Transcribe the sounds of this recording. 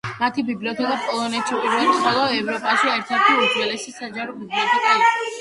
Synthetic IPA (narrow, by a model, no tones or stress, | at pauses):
mat̪ʰibibliɔt̪ʰɛkʼapʼɔlˠɔnɛt̪ʰʃipʼiɾvɛliχɔlˠɔɛvɾɔpʼaʃiɛɾt̪ʰɛɾt̪ʰiuɾd̪zwɛlɛsisad͡ʒaɾɔmuɛnikʼa